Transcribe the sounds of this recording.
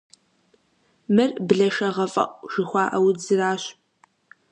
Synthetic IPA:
mɨrbɮɐʃɐʁɐfʼɐ̰ʔʷʼʒ̥ɨxʷɑːʔɐwd͡zɨraːɕ

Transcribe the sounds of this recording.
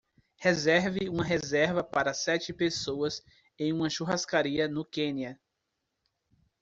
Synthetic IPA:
hezɛɾvɪũmɐɦezɛɾvɐpaɾɐsɛt͡ʃɪpesoɐs | ẽj̃ũmɐʃuɦaskaɾiɐnʊkẽniɐ

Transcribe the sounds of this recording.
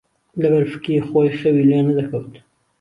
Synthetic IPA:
labaɾfkixɑjxəwilɑnad̪akawəl

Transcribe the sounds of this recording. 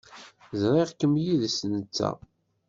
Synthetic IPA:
zɾˤiʁkəmjiðsənət͡sːæ̰

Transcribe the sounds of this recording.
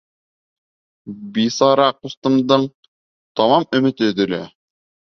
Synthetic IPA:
bisɑɾɑqust̪ɤ̆md̪ɤɴ | t̪ɒmɑmɵ̆mɘ̆t̪ɘ̆d̪ɵ̆læ̰

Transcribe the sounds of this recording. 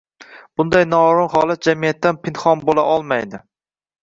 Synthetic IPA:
b̥ʊnd̪ajnɒɾʊnhɒlˠat̪̚d͡ʒamijat̪ːanpɪnχɒnbolaʔɒlˠmajd̪ɪ

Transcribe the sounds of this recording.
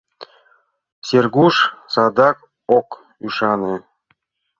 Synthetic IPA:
sʲerɡuʃsɑd̪ɑk | ok | yʃɑne

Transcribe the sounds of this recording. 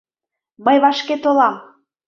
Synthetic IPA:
məjβɑʃket̪olɑm

